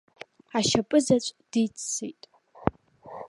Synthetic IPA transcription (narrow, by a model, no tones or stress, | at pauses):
aʃapʼɨzat͡ʃʷʼd̥it͡sʰːḛjtʼ